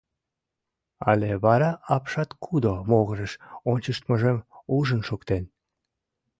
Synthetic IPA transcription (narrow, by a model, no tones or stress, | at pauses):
ɑ̰leβɑɾɑɑpʃɑt̪kʰud̪omoɣəʒeʃonʲt͡ɕəʃt̪məʒemuʒənʃokt̪en